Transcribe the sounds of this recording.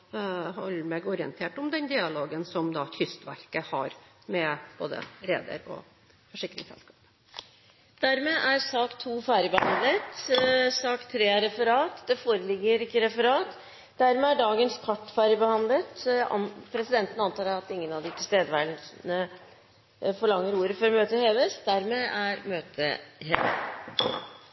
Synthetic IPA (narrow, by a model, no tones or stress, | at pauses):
hɔlːəmɛɡɔɾɪə̰nt̪ʰeːʈɔmd̪ɛnd̪ɪɑloːɡənsɔmd̪ɑt̪ʰʏst̪ʋæɾkəhɑɾ | mɛb̥o̰ːd̪ə̰ɾḛːd̪ə̰ɾɔ̰ | fɔʂɪkːɾɪ̰ŋsɛ̰lskɑːp | d̪̥æɾmeːʔæɾsɑːkt̪ʰuːfæːɾəbəhɑnd̪lət̪sɑːkt̪ʰɾeːæɾɛfəɾɑːt̪d̪ɛfoːɾəlɪɡːəɾɪkːəɾɛfəɾɑːt̪ | d̪̥æɾmɛːæɖɑːɡənskʰɑʈːfæːɾəbəhɑnd̪lət̪ | pʰɾɛsɪd̪ɛnt̪ənəɑnt̪ʰɑːɾɑt̪ɪŋːənɑʋd̪ɪt̪ʰɪst̪eːd̪əʋæɖɳnə | fɔɭɑŋːəɾuːɾəfɔɾmøːt̪əheːʋəsd̪æɾmeːʔæɾmøːt̪ʰə̰heːʋə̰